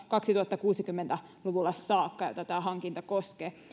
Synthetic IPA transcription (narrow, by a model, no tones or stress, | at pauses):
kɑksit̪uhɑt̪ːɑkuːsikymːent̪æluʋulːɑssɑːkːɑjo̰t̪ɑt̪æːɦɑŋkint̪ɑkoskeː